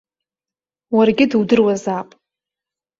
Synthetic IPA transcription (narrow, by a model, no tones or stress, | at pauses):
warɡʲɪdɨwdɨrwazapʼ